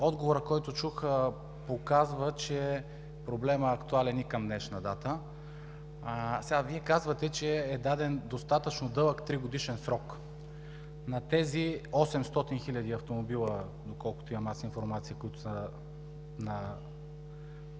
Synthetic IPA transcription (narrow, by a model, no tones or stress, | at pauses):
ɔd̪ɡovoɾəkɔjt̪ot͡ʃuxə | pokazvət͡ʃɛ | pɾoblɛməɐkt̪ualɛnikɐmd̪nɛʃnɐd̪at̪ə | sɛɡaviɛkazvɐt̪ɛt͡ʃɛɛd̪ad̪ɛnd̪ost̪at̪ət͡ʃnod̪ɤlˠəkt̪ɾiɡod̪iʃɛnsɾɔk | nɐt̪ɛziɔsɛmst̪ɔt̪inxilʲɐd̪iɐft̪omobilˠə | d̪okɔlˠkʊ̥t̪oiɐmasinfoɾmat̪siəkojit̪ʊ̥sə | nɐ